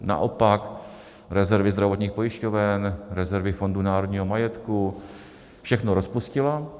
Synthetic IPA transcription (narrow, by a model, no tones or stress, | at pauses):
na̰ʔopak | ɾɛzɛɾvɪzd̪ɾavo̞t̪ɲiːxpo̞jɪʃcovɛnɾɛzɛɾvɪfo̞ndunaːɾo̞d̪ɲiːɦomajɛt̪ku | fʃɛxnoɾospuscɪla